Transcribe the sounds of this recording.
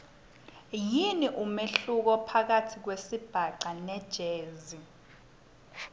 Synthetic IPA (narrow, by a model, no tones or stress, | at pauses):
jiniʔumeɬuk̬ɔpʰak̬atʰik̬wesib̥ʱaǃanɛd̥ʒ̥ʱeːzi